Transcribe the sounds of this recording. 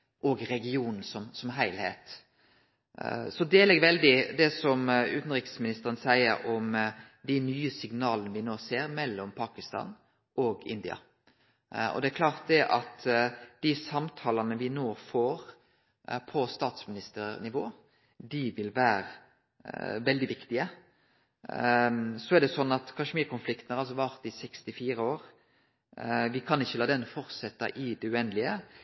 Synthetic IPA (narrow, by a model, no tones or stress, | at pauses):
ʔɔɡɾɛɡɪuːnn̩sɔmsɔmɦæɪlheːt̪ | sɔd̪eːlɛɡʋɛld̪ɪd̪ɛsɔmʉ̰ːt̪n̩ɾɪksmɪnɪst̪əɾənsæɪəɾɔm | d̪ɪnyːəsɪɡnɑːlənəʋɪnoːseːɾmɛlːɔmpʰɑːkɪst̪ɑ̰ːn | ɔɡɪ̰nd̪ɪɑ̰ | ɔ̰d̪ɛækʰlɑːʁt̪̚d̪ɛʔɑt̪d̪̥ɪsɑmt̪ʰɑːlɑnəʋɪnoːfoːɾ | pʰɔst̪ɑːt̪smɪnɪst̪əɾnɪʋoː | d̪ɪʋɪlʋæːɾə | ʋɛld̪ɪʋɪkt̪ɪə | sɔɛæɾd̪ɛsɔnːɑt̪kʰɑʃmiːkʊnflɪkt̪n̩hɑɾʁɑls̬ɔʋɑɾt̪ɪsɛkst̪ɪfiːɾəoːɾ | ʋɪkʰɑnɪçːəlɑːd̪ɛnfɔɾsɛt̪ːə̰ʔɪd̪ɛʉɛnlɪə